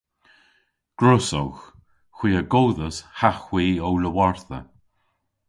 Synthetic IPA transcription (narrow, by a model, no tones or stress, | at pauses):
ɡ̥ɹʊsowx | xw̥iːəɡowðəshaxwiːowləwaɹθə̰